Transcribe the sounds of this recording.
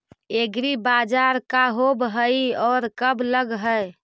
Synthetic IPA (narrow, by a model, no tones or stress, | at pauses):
eɡɾibad͡ʒaɾkaɦobɦəiɔːɾkəbləɡɦəj